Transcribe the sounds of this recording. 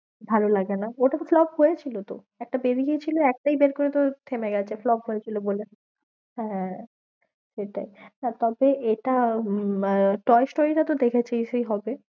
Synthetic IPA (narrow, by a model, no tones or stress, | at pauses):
bʱalolaɡenaoʈaflɔbɦojet͡ɕʰilot̪o̰ | ɛk̚ʈabeɾiɡet͡ɕʰiloɛk̚ʈajbeɾkoɾet̪ot̪ʰemeɡɛt͡ɕʰeflɔbɦojet͡ɕʰilobole | ɦɛ̃ | ʃeʈa̰inat̪ɔbeeʈa | ʈɔesʈoɾiʈat̪od̪ekʰet͡ɕʰejʃejɦɔbe